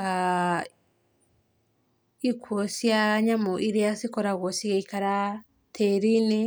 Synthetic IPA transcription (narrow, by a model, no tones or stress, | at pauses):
a | ikwɔsjaɲamɔʔiɾiasikɔɾaɣɔsiɣaikaɾa | tʰɛɾini